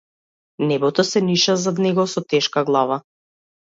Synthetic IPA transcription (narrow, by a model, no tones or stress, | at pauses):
nɛbɔt̪ɔsɛniʃazad̪nɛɡɔsɔt̪ɛʃkaɡlˠava